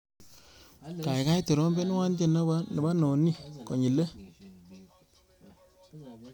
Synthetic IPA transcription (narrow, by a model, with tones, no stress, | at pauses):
ka˨ɪ˨ka˦jte˨ɾɔ˦mbɛ˦n˦wa˦nte˦˨na˦ba˦n˨ba˦nɔ˨ni˦kɔ˨ɲi˨le˦